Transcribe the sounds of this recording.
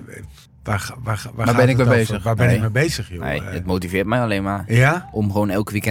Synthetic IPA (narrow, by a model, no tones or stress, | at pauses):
ʋaʋaʋaʋabɪnɪkmɛbejzəxaːbɛnɪmɛbejzəxjonḛətmoːtivɪːtmɛjaleːnmajaʔɔmχʋoːnɛlˠkʋikɛ